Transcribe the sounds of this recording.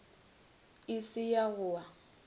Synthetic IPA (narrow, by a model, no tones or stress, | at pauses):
ɪsɪjaɣʊwa